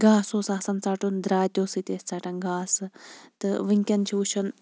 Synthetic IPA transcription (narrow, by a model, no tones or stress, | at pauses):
ɡaːsoːsaːsɐnt͡saːʈund̪ɾaːt̪ʲoːsit̪ʲesʲt͡saʈɐnɡaːsɨt̪ɨʋɨŋʲkʲɐnt͡ʃʰiut͡ʃʰɐn